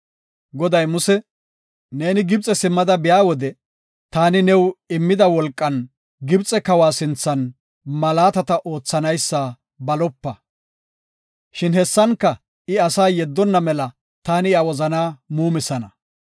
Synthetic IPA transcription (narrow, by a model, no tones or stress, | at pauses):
ɡɔd̪ɐjmʊsɛ | neːnɪɡɪb̚t͡sʼːɛsɪmːɐd̪ɐbɪjaːwɔd̪ɛ | t̪aːnɪnɛwɪmːɪd̪ɐwɔlkʼːɐn | ɡɪbt͡sʼɛkɐwaːsɪnt͡sːɐn | mɐlaːt̪ɐt̪ɐʔo̞ːt͡sːɐnɐjsːa | bɐlɔpːɐ | ʃɪnhɛsːɐŋkːɐ | ɪɐsaːjɛd̪ːɔnːɐmɛlɐ | t̪aːnɪawɔzɐnaːmuːmɪsɐnɐ